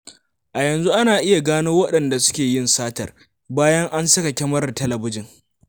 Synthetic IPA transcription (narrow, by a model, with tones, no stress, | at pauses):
ʔa˨jɐ˨nzu˦ʔa˦naː˨ʔɪ˦ja˨ɡaː˦noː˦wɐ˦ɗɐ˨nda˨sʊ̥˦kʲeː˨jɪ˦nsaː˦tɐ˨r | baː˦jɐ˦ŋʔa˦nsɐ˦ka˨kʲɛ˦mɐ˦rtɐ˦lɐ˨bʊ˦d͡ʒɪ˨ŋ